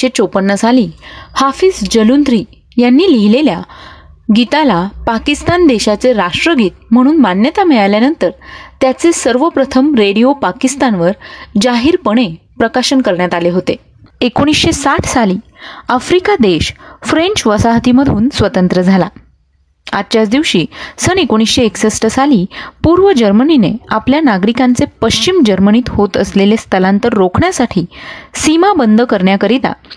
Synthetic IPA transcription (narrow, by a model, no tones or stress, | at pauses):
ɕet͡sopənːəsaliːhafisd͡ʑəlund̪ɾiː | janːiːliɦilelja | ɡit̪alapakist̪and̪eɕat͡seɾaʂʈɾəɡiːt̪̚m̤əɽ̃uːnmanjət̪amɛɭaljanənt̪əɾt̪jat͡sesəɾʋəpɾət̪ʰəmɾeɽijopakist̪anʋəɾd͡ʑaɦiːɾpəɳ̃epɾəkaɕənkəɾɳjat̪aleɦot̪e | ekoɽ̃isɕesaʈʰsaliːafɾikad̪eɕfɾeɲt͡ɕʋəsaɦt̪iməd̪ʱuːnsʋət̪ənt̪ɾəd͡zʱala | a̰tːt͡ɕjat͡sd̪iʋɕiːsənekoɽ̃isɕeːksəsʈəsaliːpuɾʋəd͡ʑəɾməninḛapljanaɡɾikãnt͡sepəɕt͡ɕimd͡ʑəɾməniːt̪hot̪əslelest̪ʰəlãnt̪əɾːokʰɳjasaʈʰiːsimabənd̪ʱəkəɾɳjakəɾit̪a̰